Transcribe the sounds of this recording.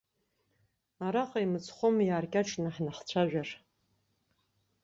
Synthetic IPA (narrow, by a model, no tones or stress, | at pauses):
aɾaqʼaimɨt͡sʰʼχʷomjaːrkʲʼaʈ͡ʂʼnɨħnaχt͡ɕʷʰaʒᶣar